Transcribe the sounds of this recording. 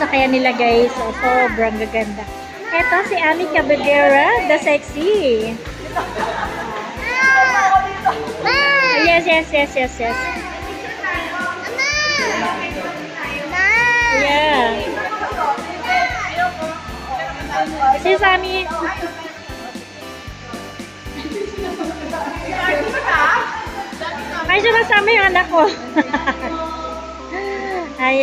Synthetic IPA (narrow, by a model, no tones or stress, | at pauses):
sɐkɐjanɪlɐɡajsosobɾɐŋɡɐɡɐnd̪a | ʔɛt̪osiʔaːmikɐbɛɡɛɹɐd̪ɐsɛksi | jɛsjɛsjɛsjɛsjɛs | a | jɛ | sizami | ajzənasaməjõãnd̪ako | a